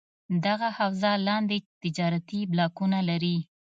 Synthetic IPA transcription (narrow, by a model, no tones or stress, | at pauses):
d̪aɣahawzalɑnd̪et̪ɪd͡ʒɑɾat̪iblɑkunalaɾi